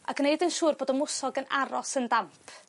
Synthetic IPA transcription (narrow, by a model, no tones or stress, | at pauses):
aɡneɨdənʃuːrboːdɔmʊsɔɡəna̰ɾɔsəndampʰ